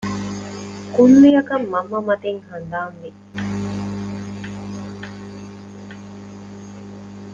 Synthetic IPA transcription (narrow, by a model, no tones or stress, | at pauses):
kunːijɐkɐmːɐmːɐmɐt̪eŋhɐnd̪aːŋʋi